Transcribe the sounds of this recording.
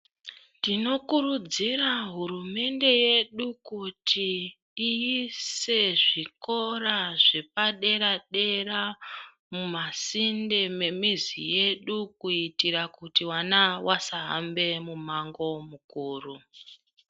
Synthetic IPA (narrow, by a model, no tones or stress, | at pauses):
dino̞kurud͡ziraɦurume̞nde̞je̞ɗukutʰiː | jise̞ʐiko̞raʐe̞paɗe̞ɾaɗe̞ra | mumasinde̞me̞mizḭje̞ɗukuitiɾakutiwanawʔasaɦa̰mbe̞mumaŋɡo̞mukuːru